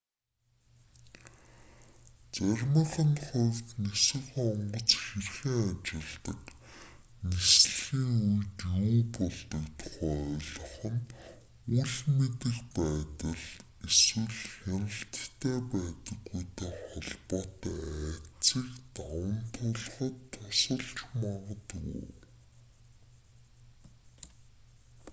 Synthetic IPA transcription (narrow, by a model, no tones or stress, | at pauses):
t͡særʲmə̆χə̆nχɔrʲt̪nisɘ̆xɔɴɢɞ̆t͡sxerxiːŋat͡ɕɪ̆ɮt̪ə̆k | nisɮxiːŋujt̪juːpɔɮt̪ɞ̆kt̪ʰʊ̥χæːɔɮɞ̆χɞ̆n | uɮmet̪ɘ̆kpæːt̪ə̆ɮ | eswɘ̆ɮxanə̆ɬt̪t̪ʰːeːpæːt̪ə̆ɡːujt̪ʰeːχɔɮpɔːt̪ːæt͡siːkt̪awə̆nt̪ʰʊɮχə̆t̪ʰːʊsə̆ɮt͡ɕmaʁə̆t̪ɣṵ